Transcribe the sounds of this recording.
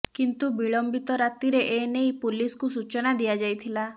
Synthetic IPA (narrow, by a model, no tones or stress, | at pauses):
kint̪ubiɭɔmbit̪ɔɾat̪iɾeʔenejpuliskusut͡ʃɔnad̪ijad͡ʒajt̪ʰila